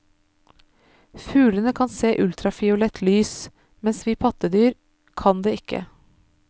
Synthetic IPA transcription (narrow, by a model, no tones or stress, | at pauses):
fʉːlənəkʰɑnseːʔʉlt̪ɾɑfɪʊlɛt̪ʰlyːs | mɛnsʋiːpʰɑt̪əd̪yːɾ | kʰɑnd̪eːɪkːə̰